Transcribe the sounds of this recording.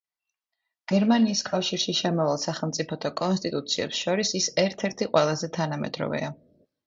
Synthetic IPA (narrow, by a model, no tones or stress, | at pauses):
ɡ̥ɛɾmaniːskʼafʃiɾʃiʃɛmɔvalˠsaχɛlˠmt̪sʼipʰɔt̪ʰɔkʼɔnst̪ʼit̪ʼut̪sʰiɛ̰psʃɔɾisisɛɾt̪ʰɛɾt̪ʰiqʼwɛlˠazɛt̪ʰanamɛ̰d̪ɾɔ̰vɛ̰a